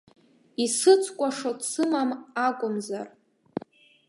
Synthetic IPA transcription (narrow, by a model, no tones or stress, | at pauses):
isɨt͡sʷʰkʷʼaʂotʼsɨmamakʷʼʊmza̰r